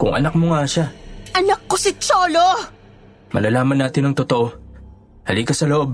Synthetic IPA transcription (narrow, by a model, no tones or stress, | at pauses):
kʊŋʔɐ̰nɐk̚moŋaʃaʔɐnɐkːosɪt͡ʃoːlo | mɐ̰lɐlaːmɐnːaːt̪ɪnɐŋt̪ot̪oʔo̞ | hɐlikɐsɐloʔo̞b̚